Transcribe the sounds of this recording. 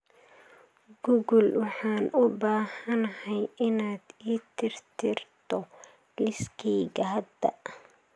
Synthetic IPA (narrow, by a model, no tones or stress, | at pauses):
ɡ̥ʊɣʊlwɑħɑːnʊbaːhɐnhɛjʔɪnaːd̪̥iːt̪ʰɪrt̪ʰɪrt̪ʰɔ | lɪskʰɛːɡɐɦɐd̪ɐ